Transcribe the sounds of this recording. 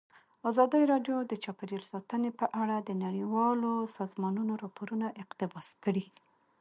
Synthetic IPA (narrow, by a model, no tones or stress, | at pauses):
azɑd̪əjɾɑɖjod̪ət͡ʃɑpaɾelsɑt̪ənepəʔaɽad̪ənaɽiwɑlosɑzmɑnunoɾɑpoɾunaʔɪqt̪ɪbɑskəɽi